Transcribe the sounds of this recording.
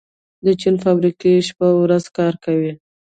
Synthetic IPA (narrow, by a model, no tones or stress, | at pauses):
d̪ət͡ʃinfɑbɾikeʃpawɾazkɑɾkawi